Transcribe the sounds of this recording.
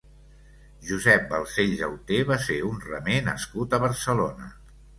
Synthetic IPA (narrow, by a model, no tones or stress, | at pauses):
ʒuzɛp̚bəlˠseʎzəwt̪eβaseunrəmenə̰skut̪əβ̞əɾsəlonə